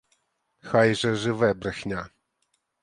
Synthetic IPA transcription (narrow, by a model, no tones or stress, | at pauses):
xajʐɛʐɨvɛbrxɲʲa